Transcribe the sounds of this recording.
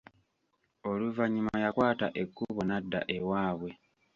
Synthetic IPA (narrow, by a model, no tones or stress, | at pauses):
oluvaɲːimaajakwaːta̰ʔe̞kːuβo̞nadːa̰ʔe̞waːβwe̞